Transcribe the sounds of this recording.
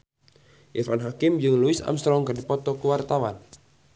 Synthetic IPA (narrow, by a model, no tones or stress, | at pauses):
ʔɛfanɦakɪmd͡ʒɨŋluɪsa̰mst̪ɾɔŋkɨrdipɔt̪ɔkuwart̪awan